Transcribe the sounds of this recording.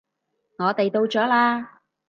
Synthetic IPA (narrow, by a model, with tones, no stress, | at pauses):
ŋɔː˨˧t̪e˨jt̪o˧wt͡sɔː˨˥laː˧